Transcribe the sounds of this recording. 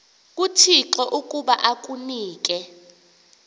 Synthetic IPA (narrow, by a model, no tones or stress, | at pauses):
k̬ʼutʰiǁɔʔukʼuɓaʔak̬ʼuniːk̬ʼɛ